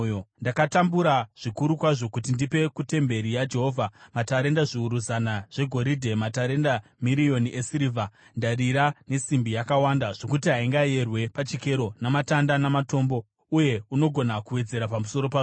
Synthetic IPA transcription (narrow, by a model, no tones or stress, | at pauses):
ndakatambuɾaʐ̥ikuɾukwaʐo̞kutindipe̞kute̞mbe̞ɾijad͡ʒe̞ɦo̞ːvʱamataɾe̞ndaʐiuɾuzanaʐ̥e̞ɡʱo̞ɾidʱe̞mataɾe̞ndamiɾio̞niʔesiɾivʱa | ndariɾane̞simbijakawandaʐ̥o̞kutiɦaiŋɡaje̞rwe̞pat͡ʃike̞ɾo̞namatandanamato̞ːmbo̞ | uje̞uno̞ɡʱo̞nakuwe̞d͡ze̞ɾapamuso̞ɾo̞pa